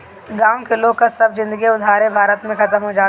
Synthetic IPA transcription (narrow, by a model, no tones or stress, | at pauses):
ɡaːõkʰɪlõkasɐbzɪ̃nd̪əɡiʊd̪ʱaːɾebʱaːɾət̪mẽxɐt̪əmɦod͡ʒaː